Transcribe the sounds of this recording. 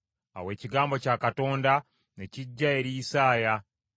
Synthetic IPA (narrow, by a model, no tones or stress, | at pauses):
a̰we̞ːciɡaːmbo̞caːkato̞ːnda | ne̞ciɟːae̞ɾijisaːja